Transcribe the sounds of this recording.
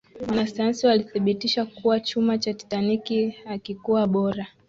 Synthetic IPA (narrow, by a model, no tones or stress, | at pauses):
wanasajansiwaliθiɓitiʃakuwat͡ʃumat͡ʃati̥tanikiakikuwaɓɔɾa